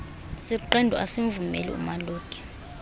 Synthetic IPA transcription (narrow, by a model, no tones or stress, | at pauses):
siǃɛndʱɔʔasiɱvumɛ̰lḭṵmaloːkʼɛ̥